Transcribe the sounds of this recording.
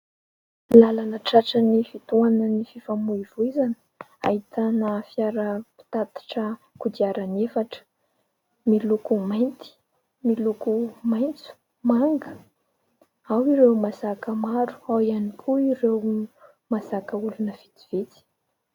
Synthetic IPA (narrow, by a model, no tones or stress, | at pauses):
lalanəʈ͡ʂaʈ͡ʂənifit̪uanənififamuiv̥uizani̥ | a̰hit̪anafiaɾəpi̥t̪at̪ḁʈ͡ʂə | kud̪iaɾanefaʈ͡ʂə̥ | milukumajnt̪i̥ | milukumajnt͡su̥ | maŋɡə | awiɾewmasakəmaɾu̥awianikʰuiɾew | masakəulunəv̥it̪iv̥it͡s̪i̥